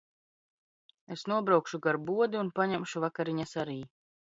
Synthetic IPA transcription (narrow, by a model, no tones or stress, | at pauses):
esnuɔbɾawkʃuɡaɾbuɔd̪iunpaɲɛmʃuvakaɾiɲasaɾiː